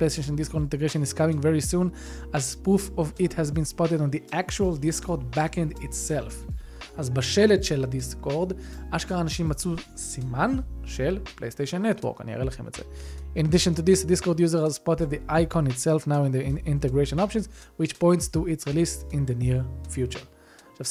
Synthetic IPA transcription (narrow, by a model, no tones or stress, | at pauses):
plejst̪eʃɔ̃ndiskoɾdĩnteɡɾeʃɔ̃niz̥kamĩŋvɛɹisũn | azpufɔvithɛzbĩnspɔtedɔ̃nd̪iʔækt͡ʃualdiskʰɔd̪bækɛ̃nditsɛlf | azbaʃelɛtʃeladiskoʁdaʃkaʁanaʃĩmːat͡su | simãnʃelplḛjst̪ejʃɔ̃nːɛtʰwɔ̰ɾka̰nḭa̰elaχḛm̰tz̥ḛĩnadiʃɔ̃ntud̪isd̪iskodjuzəɾhazspɔted̪̚d̪iʔajkʰɔ̃nitsɛlfnawĩndiĩntɛɡɹeʃɔ̃nɔpʃɔ̃nzwit͡ʃpɔ̃j̃ntstuitsʁilisĩnd̪əniʁfjut͡ʃə̰ | ʃa